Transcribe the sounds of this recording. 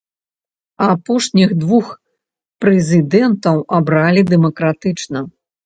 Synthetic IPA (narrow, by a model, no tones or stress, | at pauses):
apɔʂnʲixd̪vux | pɾɛzʲɨd̪ɛnt̪ɐwabɾalʲid̪ɛmɐkɾat̪ɨt͡ʂnɐ